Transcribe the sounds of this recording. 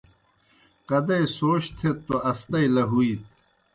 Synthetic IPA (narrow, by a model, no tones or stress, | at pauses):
kɐd̪ɐjsoːɕt̪ʰet̪ːoɐst̪ɐjlɐɦuit̪